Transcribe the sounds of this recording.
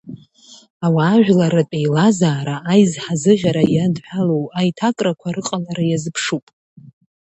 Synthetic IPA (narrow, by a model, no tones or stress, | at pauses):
awaːʒᶣlaɾapʼejlazaːɾaːjzħazɨʒʲaɾajadħʷᶣalowajtʰakʼrakʷʰaɾɨqʼalaɾajazɨpʰʂupʼ